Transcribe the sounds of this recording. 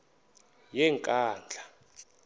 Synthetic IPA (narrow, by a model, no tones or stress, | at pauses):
jɛŋkʼaːnd͡ɮʱa